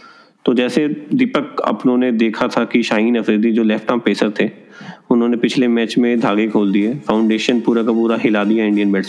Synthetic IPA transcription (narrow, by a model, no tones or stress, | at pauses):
t̪oːd͡ʒɛːsed̪ɪpəkɐ̰pnõːned̪eːkʰat̪ʰakiʃaːɦiːnɐfɾeːd̪id͡ʒoːlɛːpʈaːmpeːsəɾt̪ʰe | ʊnɦõːnepɪt͡ʃʰlemɛːt͡ʃmẽd̪ʱaːɡekʰoːld̪iɛːfaːʊ̃ɳɖeːʃənpuːɾakapuːɾaɦɪlaːd̪ijaɪ̃ɳɖijənbɛːʈs